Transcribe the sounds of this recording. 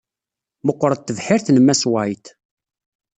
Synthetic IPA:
məqːɾˤət̪ːəvħɪɾθnəmːæswæjt̪

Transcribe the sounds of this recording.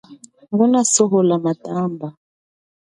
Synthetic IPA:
ɡunasɔɦɔlamatamba

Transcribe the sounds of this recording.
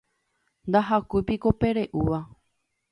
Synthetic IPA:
nd̪aɦakupiko̞pe̞ɾe̞ʔuʋa

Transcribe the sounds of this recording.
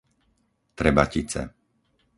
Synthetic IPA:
t̪ɾɛba̰cit͡sɛ̰

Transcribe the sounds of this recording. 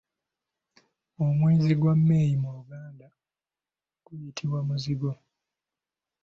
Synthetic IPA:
omweːziɡwamːe̞ːjimuuɡaːnda | ɡ̥ujitʰiwamuziɡo̞

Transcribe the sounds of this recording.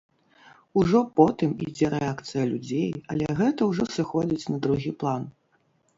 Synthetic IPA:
uʐɔpɔt̪ɨmḭd͡zʲɛɾɛakt̪sɨjɐlʲud͡zʲejɐlʲɛɣɛt̪ɐwʐɔsɨxɔd͡zʲit͡sʲnɐd̪ɾuɣʲiplˠan

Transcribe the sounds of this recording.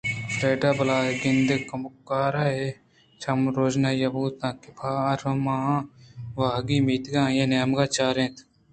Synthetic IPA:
fɾeːɖaːbɐlaːɡɪnd̪ekɐmʊkːaːɾae | t͡ʃʰɐmɾoːd͡ʒnajɐbuːt̪ãːkɪpʰaːɐɾɐmã | ʋaːɡimiːt̪ɡãːjeneːmɡaːt͡ʃaːɾẽːt̪ʰ

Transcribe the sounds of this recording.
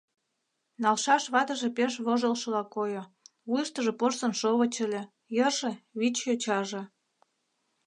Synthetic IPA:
nɑlʃɑʃβɑt̪ə̆ʒepeʃβoʒəlʃlɑkojo | βujəʃt̪ə̆ʒĕporsə̆nʃoβət͡ɕə̆lʲe | jərʒĕβit͡ɕjot͡ɕɑʒĕ

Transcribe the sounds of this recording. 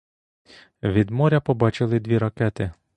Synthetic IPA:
ʋʲid̪mɔɾʲɐpɔbɑt͡ʃɪlˠɪd̪ʋʲiɾɐkɛt̪ɪ

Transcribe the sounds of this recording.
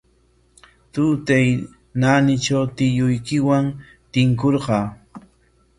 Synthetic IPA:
t̪ʊt̪aj | nanɪt͡ʃawt̪ɪjʊjkɪwaŋ | t̪ɪŋkoɾɢɑː

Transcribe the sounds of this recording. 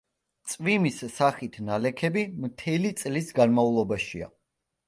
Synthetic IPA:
t̪sʼvimissaχit̪ʰnalɛkʰɛbimt̪ʰɛlit̪sʼlisɡanmaulˠɔbaʃia̰

